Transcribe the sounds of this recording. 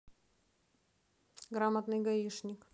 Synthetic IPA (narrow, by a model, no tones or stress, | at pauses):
ɡɾamət̪nɨjɡɐiʂnʲɪk